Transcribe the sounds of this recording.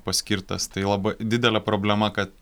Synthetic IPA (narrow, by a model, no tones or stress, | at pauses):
pɐsʲkʲiɾt̪ɐ̰st̪ɐɪlˠɐbɐɪd̪ʲɪd̪ʲɛlʲɛpɾoːbʲlʲɛmɐkɐt̪